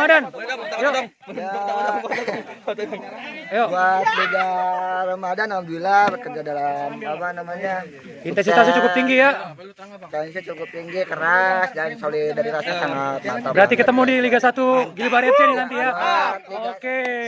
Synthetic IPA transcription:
madanjo | a | joasbəd͡ʒarəmadanambilabəkərd͡ʒadalamapanamaɲa | int̪ɛnsias̬it͡ʃukʊt̪iŋɡija | kasat͡ʃukʊp̚t̪iŋɡikəɾasdansolidaɾiɾasasamat̪at̪abəɾat̪ikət̪əmudiliɡasat̪uɡilibaɾesinnant̪ija | oke

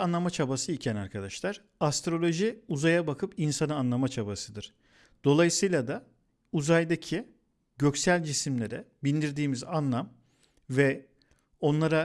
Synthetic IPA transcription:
anlˠamat͡ʃʰabasɯicʰɛnaɾkʰad̪aʃlˠaɾ̥ | ast̪ɾo̞lʲˠo̞ʒiuzajabakʰɯpinsanɯaːnlˠamat͡ʃʰabasɯd̪ɯɾ̥ | d̪̥o̞lˠajɯsɯjlˠad̪a | uzajd̪acʰi | ɟø̞csælʲd͡ʒisimlʲe̞ɾɛbind̪iɾd̪iːmizanlˠam | vɛ | o̞nlˠaɾa

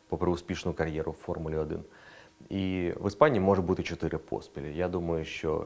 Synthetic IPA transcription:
pɔpɾɪʊspʲiʃnʊjkɐrʲjɛɾʊwfɔrmʊlʲɪɔd̪ɪ̰n | iʋɪspanʲiːmɔʐʊt̪̚but̪ɪt͡ʃɔt̪ɪɾʔɪpʰo̰spʲilʲɪjad̪umɐjʊʃʲt͡ʃɔ̰

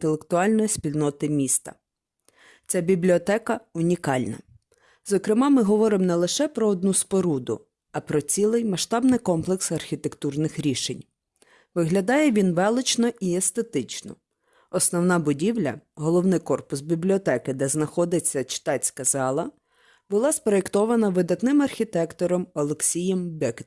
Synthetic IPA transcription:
t̪elˠekt̪ʊɑlʲnɔjisʲpʲilʲnɔt̪ɪmʲist̪ɐ̰ | t͡sʲabʲiblʲiɔt̪ɛkɐʊnʲikɑlʲnɐ̰ | zɔkɾɪmɑmɪɦɔʋɔɾɪmnɛlˠɪʃɛpɾɔɔd̪nuspɔɾud̪ʊ̰ | ɐpɾɔt͡sʲilˠɪjmɐʃt̪ɑbnɪjkɔmplˠeksɐrxʲit̪e̞kt̪urnɪxɾʲiʃenʲ | ʋɪɦlʲɐd̪ɑjɛʋʲinʋɛlˠɪt͡ʃnɔʔiest̪et̪ɪt͡ʃnɔ̰ | ɔsnɔwnɑbʊdʲiwlʲɐ̰ɦɔlˠɔwnɪjkɔrpʊsbʲiblʲiɔt̪ɛkɪd̪ɛznɐxɔd̪ɪt͡sʲːɐt͡ʃɪ̥t̪ɑt͡sʲkɐzɑlˠɐ | bʊlˠɑspɾɔekt̪ɔʋɐnɐʋɪd̪ɐt̪nɪmɐrxʲit̪ɛkt̪ɔɾɔmɔlˠeksʲijɛmbɛk̪

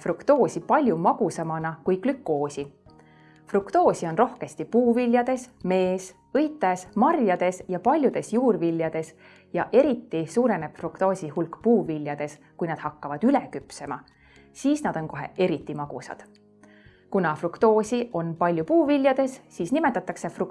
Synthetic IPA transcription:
frukt̪o̞ːsʲipɑlʲjumɑɡ̥usɑmɑnɑkujklykːˑo̞ːsʲi | frukt̪o̞ːsʲio̞nro̞hke̞st̪ipuːvilʲjɑd̪̥e̞sme̞ːs | ɤjt̪ːˑesmɑrjɑd̪̥e̞sjɑpɑlʲjud̪̥e̞sjuːrvilʲːjɑd̪̥e̞s | jɑʔe̞ɾit̪ːisuːɾe̞ne̞b̥frukt̪o̞ːsʲihulkːpuːvilʲjɑd̪̥e̞s | kujnɑd̪̥hɑkːɑvɑd̪̥yle̞kypse̞mɑ̰ | siːsnɑd̪̥o̞nko̞ɦe̞̰e̞ɾit̪ˑːimɑɡ̥usɑ̰d̪̥ | kunɑfrukt̪o̞ːsʲiʔo̞npɑlʲjupuːvilʲjɑd̪̥e̞sːiːsnime̞t̪ːˑɑt̪ːˑɑkse̞fru

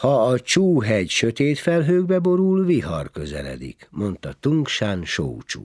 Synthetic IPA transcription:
hɒːt͡ʃuːɦɛɟʃøt̪eːt̪fɛlɦøːɡ̚bɛbo̞ɾulviɦɒrkø̞zɛ̰lɛ̰d̪ḭkmo̞nt̪ɒt̪uŋkʃaːnʃo̰wt͡ʃṵ

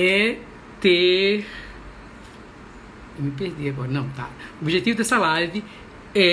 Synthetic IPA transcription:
ɛ | t̪eɾ | ewmɪp̬eɾd̪iaɡɔɾɐnɐ̃w̃t̪a̰obiʒet̪ivʊd̪ɐsalaɾɪ | ɛ

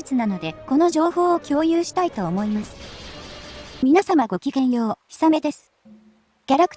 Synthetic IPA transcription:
ɨt͡sɨnano̞d̪e̞ko̞no̞ʑo̞ːɦo̞ːkʲo̞ːjɯːɕi̥t̪ait̪o̞ːmo̞imasɨ̥ | mʲinasamaɡo̞kʲiɡẽ̞ɰ̃jo̞ːçi̥same̞d̪e̞sɨ̥ | ɡ̥ʲaɾakɯ̥

